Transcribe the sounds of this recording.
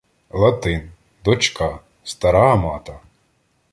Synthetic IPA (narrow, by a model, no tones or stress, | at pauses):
lˠɐt̪ɪn | d̪ɔt͡ʃkɑ | st̪ɐɾɑmɑt̪ɐ